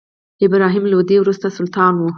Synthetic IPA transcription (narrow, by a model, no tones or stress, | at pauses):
ɪbɾɑɦimlod̪ewɾust̪asʊlt̪ɑnwu